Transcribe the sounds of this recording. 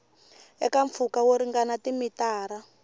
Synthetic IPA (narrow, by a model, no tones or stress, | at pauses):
ɛkaɱfukawoɾiŋɡanatimitaːɾa